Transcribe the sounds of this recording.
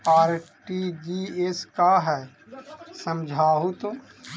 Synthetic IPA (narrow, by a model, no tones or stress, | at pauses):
aːɾʈid͡ʒieskaɦɛː | səmd͡ʒʱaːɦut̪o